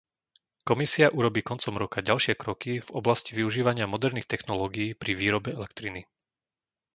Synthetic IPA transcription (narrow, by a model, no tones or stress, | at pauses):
kɔmisiaʔuɾɔbiːkɔnt͡sɔmɾɔkaɟalʃɪɛkɾɔkivɔblasciʋiuʒiːʋaɲɪamɔd̪ɛɾniːxt̪ɛxnɔlɔːɡijiːpɾiʋiːɾɔbɛɛlɛkt̪ɾini